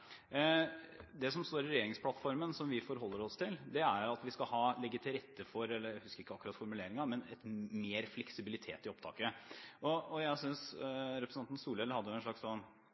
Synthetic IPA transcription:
d̪ɛsɔmst̪oːɾɪɾɛjeːɾɪŋspʰlɑt̪fɔɾmənsɔmʋɪfɔɾɦɔlːəɾɔst̪ʰɪld̪ɛæɾʊɑt̪ʋɪskɑɦɑːlɛɡːət̪ʰɪlɾɛt̪ːəfɔɾɛlːəɾæhʉskəɾɪkːəɑkːʉɾɑt̪fɔɾmʉleːɾɪŋɑmɛnɛt̪meːɾflɛksɪbɪlɪt̪ʰḛːt̪ɪɔpt̪ʰɑ̰ːkəɔɔjæɪsʏnsɾɛpʰɾəsɑnn̩suːlɛləhɑd̪ːəjʊɛnʂɭɑkssɔn

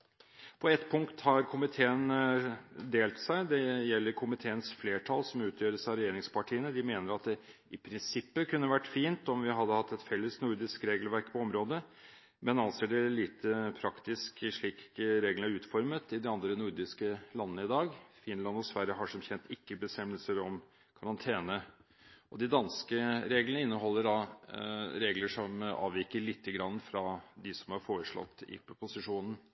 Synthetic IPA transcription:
pʰɔɛt̪ːpʰʊŋkt̪hɑɾkʰʊmɪt̪ʰeːən | d̪eːlt̪sæɪd̪ɛjɛlːəɾkʰʊmɪt̪ʰeːənsfleːʈʰɑlsɔmʉːt̪ʰjøːɾəsɑɾɛjeːɾɪŋspʰɑʈʰiːənəd̪ɪmeːnəɾɑt̪̚d̪ɛ | ɪpʰɾɪnsɪpːəkʰʉnːəʋæʈːfiːnt̪ɔmʋɪɦɑd̪ːəhɑt̪ːɛt̪fɛlːəsnʊɾd̪ɪskɾeːɡəlʋæɾkpʰɔɔmɾoːd̪ə | mɛnɑnseːɖɛliːt̪ʰəpʰɾɑkt̪ɪskʂɭiːkkɾeːɡlənæɾʉːt̪fɔɾmət̪ɪd̪ɪɑnd̪ɾənʊɾd̪ɪskəlɑnːəɪd̪ɑːɡfɪnlɑnɔsʋæɾjəɦɑʂɔmçɛnt̪ʰɪkːəbəst̪ɛmːəlsəɾɔm | kʰɑɾɑnt̪ʰeːnə | ɔd̪ɪd̪ɑnskəɾeːɡlənəɪnːəɦɔlːəɖɑ | ɾeːɡləʂɔmɑ̰ːʋɪkəɭɪt̪ʰːəɡɾɑnːəfɾɑd̪ɪsɔmɑɾfoːɾəʂɭɔ̰t̪ːɪ̰pʊsɪʂuːnən̩

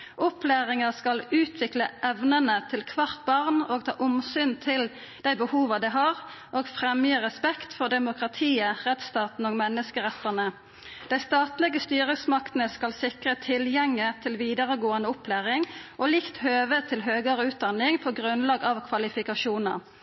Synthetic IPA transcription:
ʔʊpʰlæːʁɪŋəskɑlʉːt̪ʰʋɪkləʔɛʋnənət̪ʰɪlkʰʋɑʁt̪̚bɑʁnoːɡt̪ʰɑ̰ːʔʊmsyːnt̪ʰɪl | d̪̥æɪbəhuːʋɑd̪ɛɪɦɑʁ | ʔoːɡfʁɛmjəːʁɛspɛkt̪fɔʁd̪ɛmʊkʁɑt̪ʰiːəʁɛt̪st̪ɑːt̪n̩oːɡmɛnːəskəʁɛt̪ːənə | d̪̥æɪst̪ɑːt̪lɛɡəst̪yːʁəsmɑkt̪ən̩əskɑlsɪkʁət̪ʰɪljɛŋːət̪ʰɪlʋiːd̪əʁəɡoːənəʊpʰlæːʁɪŋʔoːlɪkt̪høːʋət̪ʰɪlɦøːɡəʁəʉːt̪̚d̪ɑnːɪŋpʰɔɡʁʉnlɑːɡɑʋkʰʋɑlɪfɪkɑʃuːnə̰ʁ

